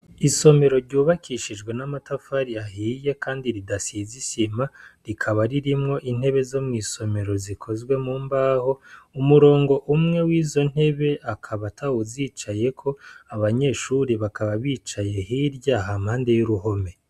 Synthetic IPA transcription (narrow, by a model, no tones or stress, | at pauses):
iso̞me̞ɾo̞ɾɟuːβakʰiʃid͡ʒɡwe̞namatafaɾiaɦiːje̞kaːndiɾidasizisimaɾikʰaβaɾiɾimŋo̞ʔin̥he̞βe̞zo̞mŋiːso̞me̞ɾo̞zikʰo̞zɡwe̞muːmbaːho̞umuɾo̞ːŋɡo̞ʔumŋe̞wiːzo̞n̥he̞βe̞ʔakʰaβatʰaoziːt͡ʃaje̞kʰo̞aβaɲe̞ːʃuɾeβakaβaβiːt͡ʃaje̞hiɾjaːɦamhaːnde̞juɾuɦo̞me̞